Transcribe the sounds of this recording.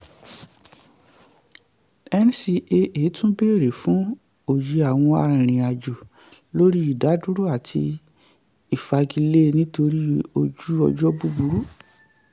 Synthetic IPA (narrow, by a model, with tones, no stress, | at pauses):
ɛ˧n˦si˧e˧ʔe˨˦tũ˦be˦˨ɾe˨fũ˨˦ | o˨ji˧a˨w̃ɔ̃˧a̰˧ɾɾ̃ĩ˨a˨d͡ʒu˨ | lo˦ɾi˦i˨da˨˦du˦ɾu˦a˦˨tʰḭ˧ | i˨fa˧ɡi˧le˦˧nĩ˦to˧ɾi˦o˧d͡ʒu˦ɔ̰˧d͡ʒɔ˦bu˦bu˧ɾu˦